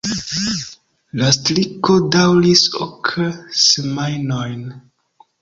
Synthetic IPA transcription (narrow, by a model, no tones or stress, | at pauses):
lastɾiko̞dawliso̰kʰsemajnojn